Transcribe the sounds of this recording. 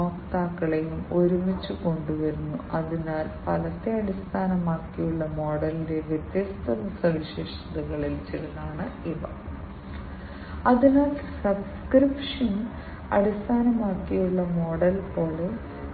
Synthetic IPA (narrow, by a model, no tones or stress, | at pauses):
oːkt̪aːkːɐɭejumo̞ɾumit͡ɕːuko̞ɳɖuʋɐɾunːuɐðinaːlpɐlɐt̪ːe̞ɐɽist̪ʰaːnɐmaːkːijuɭːɐmo̞ːɽɐlide̞ʋjet̪jɐst̪ʰɐnɐsɐʋiɕeːʂɐðɐɣɐɭilt͡ɕiɾɐnːaːɳɨiʋɐ̰ | ɐðinaːlsɐbskripʂɐn | ɐ̰ɽist̪ʰaːnɐmaːkːijuɭːɐmo̞ːɽɐlpoːɭe